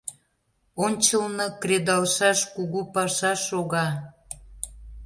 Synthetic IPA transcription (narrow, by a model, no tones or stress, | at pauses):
onʲt͡ɕəlnɤkred̪ɑlʃɑʃkuɣupɑʃɑʃoɣɑ